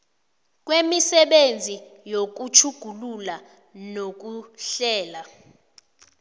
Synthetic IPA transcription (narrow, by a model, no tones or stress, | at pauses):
k̬wemisɛɓend͡zʱijok̬ut͡ʃʰuɡ̥ʱulula | nok̬uɬɛːla